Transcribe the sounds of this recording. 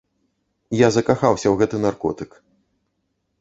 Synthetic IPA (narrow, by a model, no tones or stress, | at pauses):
jazɐkaxawsʲɐwɣɛt̪ɨnarkɔ̰t̪ɨk